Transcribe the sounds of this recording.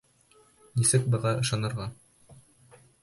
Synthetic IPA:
nisɘk̚bɤ̆ʁɑʔɤ̆ʃɑnɤ̆ɾʁɑ

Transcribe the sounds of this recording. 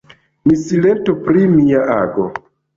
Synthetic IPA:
misile̞ntupɾimiaaɡo

